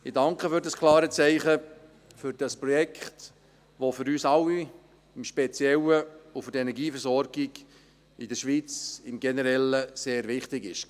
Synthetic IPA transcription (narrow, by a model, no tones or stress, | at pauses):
ɪdɑŋkχəfʏɾdɑskʰlɑːɾət͡sɛɪχə | fʏɾd̥ɑspɾɔjɛkχt | ʋofʏɾyːsɑwi | ɪmʃpɛt͡sjɛləʊfʏɾdɛnɛɾɡiːfəɾsɔɾɡ̥iɡ | ɪd̥əɾʃʋiːt͡sɪmɡɛnəɾɛləseːɾʋɪχtɪɡɪʃ